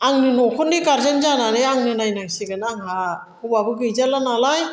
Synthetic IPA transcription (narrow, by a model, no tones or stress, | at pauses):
aŋnɯnɔkʰɔndikaɾzɯnzananɯaŋnɯnajnajsiɡɯnaŋɦa | hɔbabɯɡɯjzalanalaj